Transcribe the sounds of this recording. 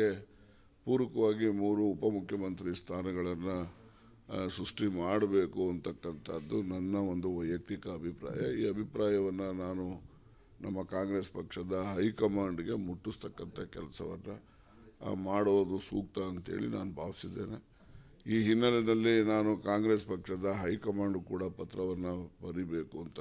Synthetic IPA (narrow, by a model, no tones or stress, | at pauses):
e | puːɾʋɐkɐʋaːɡimuːɾuːpɐmukʰjɐmɐnt̪ɾist̪ʰaːnɐɡɐɭɐnːu | sɾuʂʈimaːɽbe̞ːkuɐnt̪ɐkːɐnt̪ʰɐd̪ːunɐnːɐo̞nd̪uʋɐjɐk̚t̪ikɐːbʱipɾa̰ːjɐ̰iːɐbʱipɾaːjɐʋɐnːɐnaːnu | nɐmːɐkaːŋɡɾeːspɐkʂɐd̪ɐɦɐjkɐmaːɳɖiɡe̞muʈːust̪ɐkːɐnt̪ʰɐkɛlɐsɐ̰ʋɐnːɐ | maːɽʋoːd̪usuːk̚t̪ɐːnt̪ḛːɭḭna̰ːnubʱaːʋsid̪ːeːne | iːɦinːɐlɛnɐlːinaːnukaːŋɡɾe̞ːspɐkʂɐd̪ɐɦɐjkɐmaːɳɖukuːɽɐpɐt̪ɾɐʋɐnːɐbɐɾibe̞ːkuɐnt̪ɐ